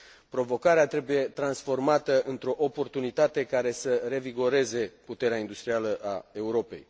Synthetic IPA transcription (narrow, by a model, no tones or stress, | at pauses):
pɾo̞vo̞kaɾeat̪ɾe̞buje̞t̪ɾansfo̞rmat̪əʔɨnt̪ɾo̞ʔo̞po̞rt̪unit̪at̪e̞kaɾe̞səɾe̞viɡo̞ɾe̞ze̞put̪e̞ɾeaind̪ust̪ɾialəʔae̞uɾo̞pe̞̰j